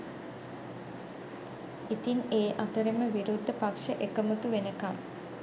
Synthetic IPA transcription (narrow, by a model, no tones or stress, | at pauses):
it̪ineːʔat̪əɾeməʋiɾud̪ʱːəpakʂəʔekəmət̪uʋenəkam